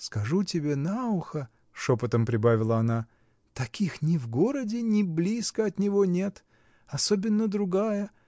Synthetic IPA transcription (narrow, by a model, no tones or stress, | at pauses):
skɐʐutʲɪbʲe̞naʊxə | ʂopət̪əmpɾʲɪbavʲɪlˠəɐna | t̪ɐkʲixnʲɪvɡo̞ɾədʲɪnʲɪblʲiskəɐt̪nʲɪvo̞nʲe̞t̪ | ɐso̞bʲɪnːəd̪ɾʊɡajə